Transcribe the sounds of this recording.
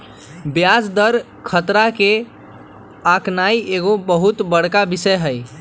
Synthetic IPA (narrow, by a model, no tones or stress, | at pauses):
bjad͡ʒd̪əɾ | kʰət̪ɾake | aknaieɡobəɦut̪bəɽ̤kabisəjɦəj